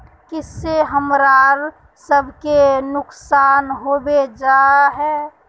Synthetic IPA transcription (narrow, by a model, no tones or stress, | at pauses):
kɪsːeɦəmɾaːɾ | səbʱkenʊksaːnɦobed͡ʒaːɦɛː